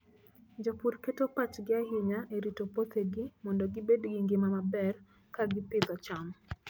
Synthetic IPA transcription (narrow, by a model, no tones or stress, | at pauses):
d͡ʒopurketopat͡ʃɡɪaɦɪɲaʔeɾitopot̪eɡɪmɔndɔɡɪbedɡiŋɡɪmamabɛr | kaɡɪpɪd̪ɔt͡ʃam